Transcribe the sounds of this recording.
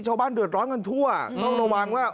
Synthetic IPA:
t͡ɕʰa˧wbaː˥˩ndɯ˨˩ə˩t̪̚ɾɔː˦˥nka˧nt̪ʰu˥˩ɐŋɔː˥˩ŋɾo˧wa˧ŋwaː˥˩

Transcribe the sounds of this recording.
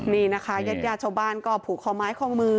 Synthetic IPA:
niː˥˩na˦˥kʰa˧˦˥ja˦˥t̪̚jaː˥˩t͡ɕʰa˥˩wbaː˥˩nkɔː˥˩pʰuː˨˩kʰːɔː˧˩maː˦˥jkʰɔː˥˩˨ŋmɯː˧

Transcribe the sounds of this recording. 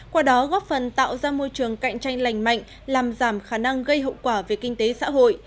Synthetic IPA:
kwaː˧ɗɔ˨˦ɣɔ˦˥p̚fə˨˩nt̪a̰ː˧˨wzaː˧mo˧jt͡ɕɨ˨˩əŋka̰˧˨jŋ̟t͡ɕa˧jŋ̟la˨˩jŋ̟ma̰˧˨jŋ̟ | laː˨˩mzaː˧˩mxaː˧˩na˧ŋɣə˧jɦə̰˧˨wkwaː˧˩ve˨˩kï˧ŋ̟t̪e˨˦sa̰ː˧˥ɦo̰˧˨jʔ

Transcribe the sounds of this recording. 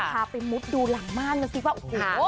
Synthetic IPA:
tʰaː˧pa˧jmu˦˥t̪̚duː˧la˨˩˦ŋmaː˥˩˨nma˧˩ŋkʰi˦˥waː˧ʔo˨˩hoː˧˦

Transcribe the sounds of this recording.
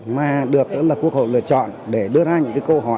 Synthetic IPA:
maː˨˩ɗɨ˨˩ək̚t̪ɨ̰˧˥laː˨˩ku˦˥ək̚ho̰˧˨jlɨ̰˧˨ət͡ɕɔ̰˧˨nɗe˧˩ɗɨ˧əzaː˧ɲɨ̰˧˥ŋkaː˨˦kə˧ɦɔ˧˩

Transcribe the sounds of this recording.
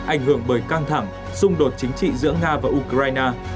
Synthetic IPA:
ʔa˧˩jŋ̟ɦɨ˧˩əŋɓəː˧˩jkaː˧ŋt̪ʰa˧˩ŋ | sʊ˧ŋ͡mɗo˨˩t̚t͡ɕï˨˦ŋ̟t͡ɕḭ˧˨zɨ̰˧˥əŋaː˧vaː˨˩ʔu˧kzaː˧jnaː˧

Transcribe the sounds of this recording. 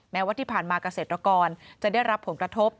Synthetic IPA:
mɛ˦˥wa˧˥t̪ʰiː˥˩pʰaː˨˩nmaː˧ka˧seː˨˩t̪ɾa˧kɔː˧nt͡ɕa˨˩da˥˩jɾa˦˥pʰːo˩˦nkɾa˧t̪ʰo˦˥p̚

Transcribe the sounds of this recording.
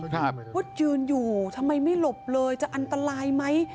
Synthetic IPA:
kʰa˥˩p̚wo˦˥t̪̚jɯː˧njuː˨˩t̪ʰa˧mːa˧jma˥˩jlo˨˩p̚lɤː˧jt͡ɕa˨˩ʔa˧nt̪a˧ɾaː˧jma˦˥j

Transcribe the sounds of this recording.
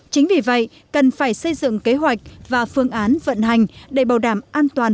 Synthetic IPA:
t͡ɕï˨˦ŋ̟vi˨˩və̰˧˨j | kə˨˩nfaː˧˩jsə˧jzɨ̰˧˨ŋke˨˦ɦwa˨˩jk̟̚vaː˨˩fɨ˧əŋʔaː˨˦nvə̰˧˨nɦa˨˩jŋ̟ɗe˧˩ɓaː˨˩wɗaː˧˩mʔaː˧nt̪waː˨˩n

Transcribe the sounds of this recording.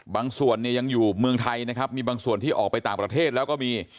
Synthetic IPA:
baː˧ŋsu˨˩ənːi˥˩əja˧ŋjuː˨˩mɯ˧əŋt̪ʰa˧jna˦˥kʰa˦˥p̚miː˧baː˧ŋsu˨˩ənt̪ʰiː˥˩ʔɔː˨˩k̚pa˧jt̪aː˨˩ŋpɾa˧t̪ʰeː˥˩t̪̚lɛː˦˥wkɔː˥˩miː˧

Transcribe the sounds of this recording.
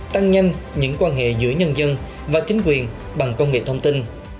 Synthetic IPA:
t̪a˧ŋɲa˧jŋ̟ɲɨ̰˧˥ŋkwaː˧nɦḛ˧˨zɨ̰˧˥əɲə˧nzə˧n | vaː˨˩t͡ɕï˨˦ŋ̟kwi˨˩ən | ɓa˨˩ŋkə˧wŋ͡mŋḛ˧˨˩t̪ʰə˧wŋ͡mt̪i˧n

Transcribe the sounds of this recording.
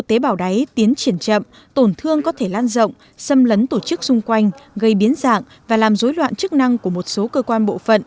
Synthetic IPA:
ɨ˧˨t̪e˨˦ɓaː˧˩wɗa˨˦jt̪i˨˦ənt͡ɕi˧˩ənt͡ɕə̰˧˨m | t̪o˧˩nt̪ʰɨ˧əŋkɔ˨˦t̪ʰe˧˩laː˧nzə̰˧˨wŋ͡m | sə˧mlə˨˦nt̪o˧˩t͡ɕɨ˦˥k̚sʊ˧ŋ͡mkwa˧jŋ̟ɣə˧jɓi˨˦ənza̰ː˧˨ŋ | vaː˨˩laː˨˩mzo˨˦jlwa̰ː˧˨nt͡ɕɨ˦˥k̚na˧ŋku˧˩əmo˨˩t̚so˨˦kəː˧kwaː˧nɓo̰˧˨fə̰˧˨n

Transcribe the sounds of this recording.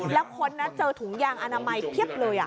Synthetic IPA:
lɛː˦˥wkʰo˧nːa˦˥t͡ɕɤː˧t̪ʰu˨˩˦ŋjaː˧ŋʔa˧naː˧ma˧jk̪ʰi˦˥˩əp̚lɤː˧jʔa̰˨˩

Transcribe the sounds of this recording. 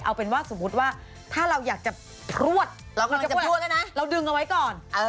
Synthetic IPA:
ʔa˧wpe˧nwaː˥˩so˩˦mːu˦˥t̪̚waː˥˩ | t̪ʰaː˥˩ɾa˧wjaː˨˩k̚t͡ɕa˨˩ | pʰɾu˥˩ət̪̚ɾa˧wkːt͡ɕt͡ɕa˨˦˥u˥˩t̚a˥˩nma˦˥ɾa˧wdɯ˧ŋʔa˧wa˦˥jkɔː˨˩nʔː

